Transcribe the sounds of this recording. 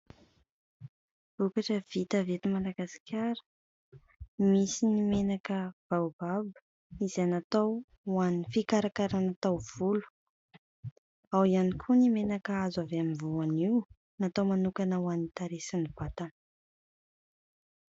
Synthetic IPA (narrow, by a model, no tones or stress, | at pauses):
v̥ukaʈ͡ʂəv̥it̪avet̪imalaɡasi̥kʲʰaɾə̥ | misinimenakəb̥ababə̥ | izenat̪aw | wanifikaɾakaɾanat̪awv̥ulu̥ | awianikʰunimenakəazaveamivuaniw | nat̪awmanukanəwanit̪aɾesinib̥at̪an